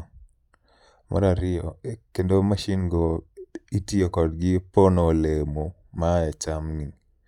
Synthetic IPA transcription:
mʔa̰ɾaɾɪjɔekendomaʃinɡoitiokɔdɡɪponolemo | majat͡ʃamni

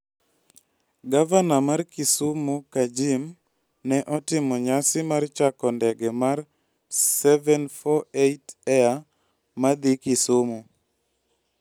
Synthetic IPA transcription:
ɡavanamarkisumukad͡ʒim | nɛʔɔtɪmɔɲasɪmart͡ʃakɔndɛɡɛmar | sɛvɛnfɔetɛa | mad̪ikisumu

